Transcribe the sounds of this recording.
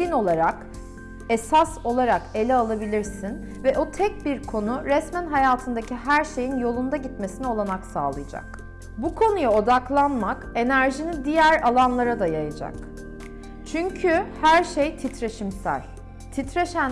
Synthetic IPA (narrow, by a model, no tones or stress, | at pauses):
ino̞lˠaɾak | esaso̞lˠaɾake̞lʲɛalˠabilʲiɾsin | vɛʔo̞t̪ʰɛc̚biɾkʰo̞nuɾɛsmænɦajaːt̪ʰɯnd̪aciɦæɾʃe̞jinjo̞lˠund̪aɟit̪me̞sinio̞lˠamaksa̰ːlˠɯjad͡ʒa̰k | bukʰo̞nujao̞d̪aklˠanmake̞næɾʒinid̪ijæɾalˠanlˠaɾad̪ajajad͡ʒa̰k | t͡ʃʰyɲcʰyhæɾʃejt̪ʰit̪ɾeʃimsæ̰lʲ | t̪ʰit̪ɾeʃæn